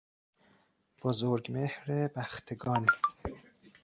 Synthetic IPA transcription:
b̥ozoɾɡmehɾebæxt̪ʰeɡɒːn

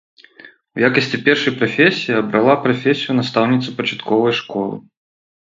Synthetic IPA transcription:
wjakɐsʲt͡sʲipʲɛrʂɐjpɾafʲesʲijiɐbɾalˠapɾafʲesʲijunɐst̪awnʲit̪sɐpɐt͡ʂḁt̪kɔvɐjʂkɔlˠɨ̰

